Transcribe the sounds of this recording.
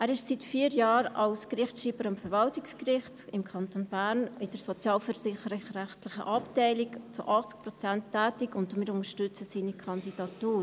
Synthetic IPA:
ʔæːɾɪʃsitfiːɾjɑːɾɑ̰lskrɪχtʃiːbəɾɑmfəɾvɑltɪkskɾɪχtɪmkʰɑntonbæːɾnɪd̥əɾsot͡sjɑːlfəɾsɪχəɾərɛχtlɪχə̰ʔɑptɛɪlɪkt͡sʊʔɑχt͡sk̚pɾɔt͡sɛntʰːɛːtɪkʊndmɪɾʊnəʃtʏt͡səsiːnikʰɑndid̥ɑtuːɾ

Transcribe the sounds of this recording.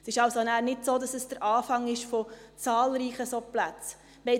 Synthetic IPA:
sɪʃɑlsonæːɾnɪtsoːdɑsəsd̥əɾʔɑːfɑŋɪʃfot͡sɑːlɾiːχəsoplæt͡s | ʋɛ

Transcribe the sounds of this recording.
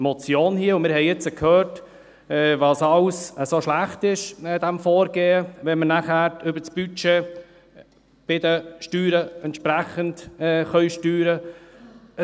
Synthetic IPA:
mɔt͡sjoːnhiəʊmɪːɾhɛɪɪt͡səkʰhœːɾt | ɛvɑːsɑlsəsoʃlæχt̪ɪʃd̪ɛmfɔːɾɡeːəvɛnmənæχæːɾʏbət͡sb̥yt͡ʃeː | b̥ɪd̪əʃtyːɾəɛntʃpɾæχəntɛχœʏʃtyːɾə

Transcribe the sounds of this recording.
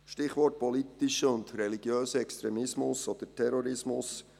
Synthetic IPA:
ʃtɪχʋɔɾt̚pɔlit̪ːiʃəʊnd̪ɾɛliɡ̥jøːsəɛkst̪ɾɛmɪsmʊsɔd̥̪əɾtʰɛɾɔɾɪsmʊs

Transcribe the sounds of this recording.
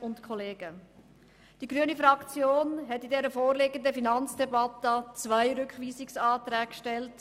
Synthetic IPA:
ʊntkʰɔleːɡ̥ə | d̥iɡɾyənifɾɑkt͡sjoːnɦɛtidɛːɾəfoːɾlɪɡəndəfinɑnt͡sd̥ɛbɑtət͡svaɪɾʏkχʋiːsɪksɑːt̪ɾɛːkʃtɛlt

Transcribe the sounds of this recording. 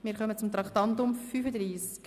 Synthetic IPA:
mɪːɾχœmət͡sʊmt̪ɾɑktɑntʊmfyːfəd̪ɾiːsk

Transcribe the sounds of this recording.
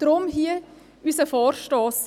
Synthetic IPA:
d̥ɾʊmhiə | ysəfɔːɾʃtɔːs

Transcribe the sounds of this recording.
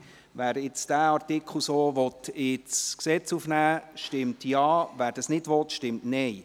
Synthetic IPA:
ʋæːɾɪt͡sd̥æːɑɾtɪkʰl̩ˠsoːʋɔt̪ɪt͡sksɛt͡sufnæːʃtɪmtjɑːʋæːɾd̥ɑsnɪdʋɔt̪ʃtɪmtnɛɪ

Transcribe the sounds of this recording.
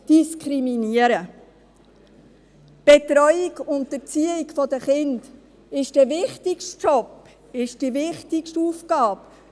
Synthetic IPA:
d̪̥iskɾiminiəɾə | b̥etɾœʏɪɡʊntət͡siəikfɔd̪əχɪnd̥ | ɪʃd̥əʋɪχtɪkʃtt͡ʃɔp | ɪʃd̥iʋɪχtɪkʃtuːfkɑːp

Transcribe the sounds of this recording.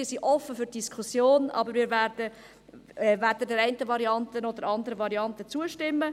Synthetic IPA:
ɪsiʔɔfːəfyt̚d̥iskʰusjoːnɑ̰bəɾmiːɾvæɾd̥ə | væɾdədɛɾɛɪntəvɑɾiɑntənod̪əɾɑnd̪əɾəvɑɾiɑntət͡suəʃtɪmːə

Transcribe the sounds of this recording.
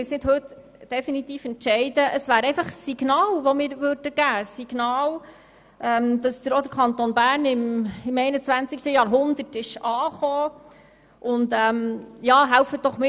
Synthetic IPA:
ɪsnɪdhɵt | d̥ɛfinit̪iːfɛntʃɛɪdəʔəsvæːɾɛɪfɑχsiɡnɑːlʋɔmɪːɾvøːɾd̥əɡ̥æːsːiɡ̥nɑːl | ʔɛmd̥̪ɑsd̪əɾɔd̪əɾkʰɑnt̪onbæːɾnɪmɪmɛɪnət͡sʋænt͡sɪkʃtəjɑːɾɦʊnd̪ətɪʃɑːχoː | ʔʊndɛmjɑːɦælfət̚d̥ɔχmɪ

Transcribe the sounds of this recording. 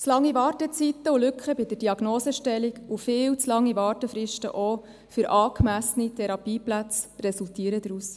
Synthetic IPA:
t͡slɑŋːiʋɑːɾtət͡sit̪ːəulʏkχəbid̪ədiɑɡnoːsəʃtɛliɡufɪːwt͡slɑŋːiʋɑːɾtəfɾɪʃtə̰ʔo | fʏɾʔɑːkmæsənitʰɛɾɑpiːplæt͡sɾɛsultiːəɾəd̪ɾuːs

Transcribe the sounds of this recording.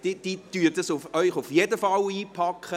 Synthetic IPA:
d̥id̪̥ityːəɾdəsufœʏχufjedəfɑliːpʰɑkχə

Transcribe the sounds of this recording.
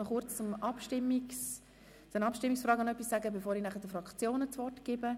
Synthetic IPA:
nɔχʊɾt͡st͡sʊmɑpʃtɪmːis | t͡sənɑpʃtɪmːiksfɾɑːɡɑnœpːisːæɡəbefoːɾinæχəd̪əfɾɑkt͡sjoːnət͡svɔrtɡ̥ɪbə

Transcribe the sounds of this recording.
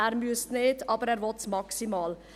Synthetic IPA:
æɾmjʉsneɪt̪ʰɑpəɾɛɾʋɔt̪smɑksɪmɑːl

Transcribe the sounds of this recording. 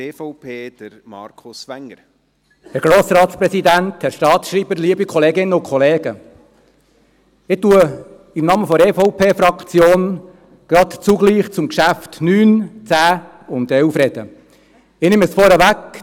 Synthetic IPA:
eːfɔʊpʰeːd̥əɾmɑ̰ɾkʰʊsʋæŋːəɾ | hæɾɡ̥ɾoːsɾɑːt̪spɾɛsid̪ænthæɾʃtɑːtʃriːbəɾliːəbikʰɔleːɡɪnːəʊkʰχɔleːɡ̥ə | ɪtuə | ɪmnɑːməfɔɾɛːfɔʊpʰeːfɾɑkt͡sjoːn | ɡ̥ɾɑt̪t͡suɡliːχt͡sʊmkʃæftnyːnt͡sæː | ʊnt̪ɛwfrɛd̥ə | ɪnɪməsfɔɾəʋæk

